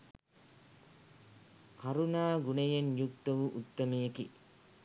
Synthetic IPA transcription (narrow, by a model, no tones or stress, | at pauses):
kʰaɾunaːɡunejenjuk̚t̪ɐʋuʔut̪ːɐmejeki